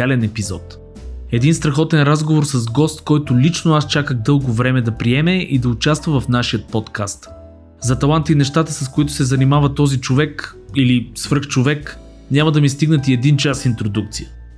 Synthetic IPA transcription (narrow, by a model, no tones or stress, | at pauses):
alɛnɛpizɔ̰t̪ | ɛd̪inst̪ɾɐxɔt̪ɛnɾazɡovoɾsɐzɡɔst̪kɔjt̪ʊlit͡ʃnʊast͡ʃakəɣd̪ɤlˠɡʊvɾɛmɛd̪ɐpɾiɛmɛʔid̪ɐʊt͡ʃast̪vəvɐfnaʃijət̪̚pɔt̪kʰast̪ | zɐt̪ɐlˠant̪inɛʃt̪at̪əsɐskoit̪ʊ̥sɛzɐnimavɐt̪ɔzit͡ʃovɛk | ilisvəɾxt͡ʃovɛk | nʲamɐd̪ɐmist̪iɡnət̪iɛd̪int͡ʃasint̪ɾod̪uk̚t̪sijə̥